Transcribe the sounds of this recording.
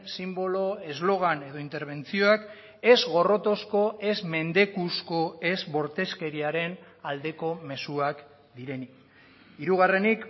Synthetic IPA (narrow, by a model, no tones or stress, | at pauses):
simbo̞lo̞e̞zlo̞ɣ̞ane̞ðo̞int̪e̞ɾβ̞e̞nt͡sio̞ak | e̞zɣo̞ro̞t̪o̞sko̞e̞zme̞nd̪e̞kusko̞e̞zβo̞ɾt̪e̞ske̞ɾiaɾe̞n | ald̪e̞ko̞me̞suak | d̪iɾe̞ni | iɾuɣ̞are̞nik